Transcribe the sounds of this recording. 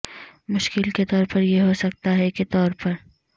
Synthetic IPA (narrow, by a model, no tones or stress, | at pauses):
mʊʃkɪlket̪ɔːɾpɐɾjeɦosɐk̚t̪aɦɛket̪ɔːɾpɐɾ